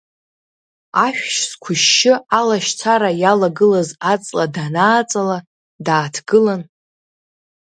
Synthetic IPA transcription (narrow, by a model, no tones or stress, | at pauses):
aʃᶣʃskʷʰʊʃːɪalaʃt͡sʰaɾajalaɡɨlazat͡sʼladanaːt͡sʼala | daːtʰɡ̥ɨlan